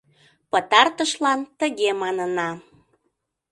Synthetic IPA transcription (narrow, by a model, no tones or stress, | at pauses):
pət̪ɑrt̪əʃlɑnt̪əɣemɑnənɑ